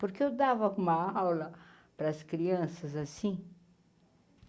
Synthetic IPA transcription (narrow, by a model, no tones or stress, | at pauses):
poɾkeewd̪avɐũmɐawlɐ | pɾɐskɾiɐ̃sɐzasĩ